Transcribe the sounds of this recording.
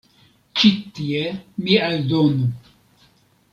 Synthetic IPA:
t͡ʃit̪ːiemiald̪onu

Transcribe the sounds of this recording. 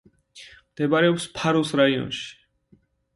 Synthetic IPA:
md̪̥ɛbaɾɛɔpspʰaɾusɾaiɔ̰nʃi̥

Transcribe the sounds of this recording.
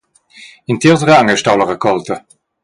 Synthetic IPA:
int̪iːʁtəʁəaŋəʃtawləʁəkʰɔltə

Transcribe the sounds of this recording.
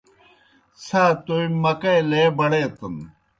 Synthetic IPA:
sat̪oimɐkɐjleːbɐɽeːt̪ɐn

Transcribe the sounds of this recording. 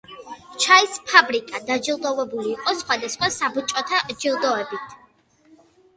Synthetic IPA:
t͡ʃʰaispʰabɾikʼad̪ad͡ʒilˠd̪ɔvɛbuliːqʼɔsχwad̪asχwasabut͡ʃʼɔt̪ʰad͡ʒilˠd̪ɔɛbit̪ʰ

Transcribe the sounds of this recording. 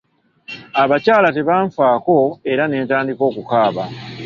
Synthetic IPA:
aβacaːlate̞βaːɱfaːko̞e̞ɾane̞ːntaːndiko̞ːkukaːβa

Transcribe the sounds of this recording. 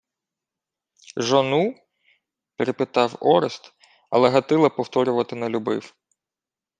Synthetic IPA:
ʒɔnu | peɾɪpɪt̪ɑwɔɾɪst̪ | ɐ̰lˠɛɦɐt̪ɪlˠɐpɔwt̪ɔɾʲʊʋɐt̪ɪnɐlʲubɪ̰w

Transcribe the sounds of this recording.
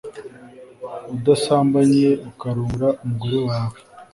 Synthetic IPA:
udasaːmbaɲieʔukaɾuːɾaʔumuɡuɾuwaːwe

